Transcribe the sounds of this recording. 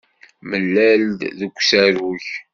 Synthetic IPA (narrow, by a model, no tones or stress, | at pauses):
məlːæld̪ðəɡʷsæɾuç